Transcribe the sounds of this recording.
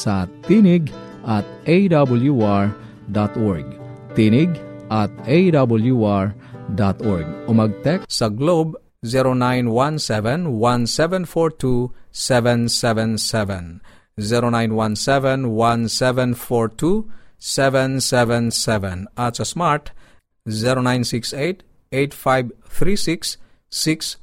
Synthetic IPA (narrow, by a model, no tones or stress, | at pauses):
sɐt̪inɪɡ | ʔat̪̚ʔejd̪abəljuaɹ | d̪at̪ɔɹɡt̪inɪɡʔat̪̚ʔejd̪abəljuaɹ | d̪at̪ɔɹɡ̚ʊmɐɡ̚t̪ɛksɐɡlob | ziɾonãjnwãnsɛvɛ̃nwãnsɛvɛ̃nfɔɹt̪usɛvɛ̃nsɛvɛ̃nsɛvɛ̃n | ziɾonãj̃nwãnsɛvɛ̃nwãnsɛvɛ̃nfɔɹt̪usɛvɛ̃nsɛvɛ̃nsɛvɛ̃nasɐsmaɹt | ziɾonãjnsikset̪ | ejt̪fajbθʰɾisiksː | iks